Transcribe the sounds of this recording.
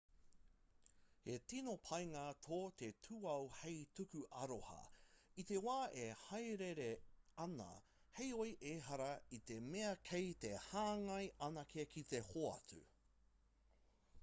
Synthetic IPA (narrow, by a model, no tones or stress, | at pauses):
hetinopʰɐjŋaːtʰoːt̪e̞tʰuɐwhejtukʉʔɐɾohɐ̰it̪ewaːʔehɐjɾeɾeɐnɐ̰ | hejojʔeːɦɐɾɐit̪emeɐkʰejt̪ehaːŋɐjɐnɐkʰekʰit̪ehoɐ̰t͡sʉ̰